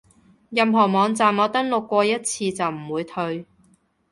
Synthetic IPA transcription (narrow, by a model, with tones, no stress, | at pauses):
jɐ˨mɦɔː˨˩mɔː˨˧ŋt͡saː˨˩mɔː˨˧t̪ɐ˥ŋlʊ˨kːʷɔː˧jɐ˥t̚t͡sʰiː˧t͡sɐ˨wm̩˨˩wuː˨˧jt̪ʰɵ˧ɥ